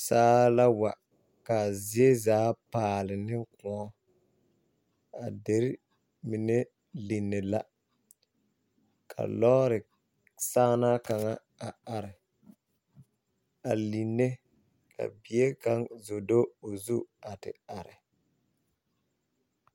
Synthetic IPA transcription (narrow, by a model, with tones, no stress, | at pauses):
saː˦la˦wa˨ | ka˨zi˨˦e˦zaː˨˦paː˨lɪ˨nɪ˦kʊ̃˨ɔ˦ | a˨de˨ɾɪ˦ | mi˨ne˦ | li˨nːe˨la˦ | kʰa̰˨lɔ˦ɾɪ˨ | saː˦na˦ka˨ŋa˦ | a˨a˨ɾɪ˨ | a˨li˨nːe˦ | kʰa̰˨bi˨e˦ka˦ŋzo˨do˦o˨zu˦a˨tɪ̰˨a˨ɾɪ˨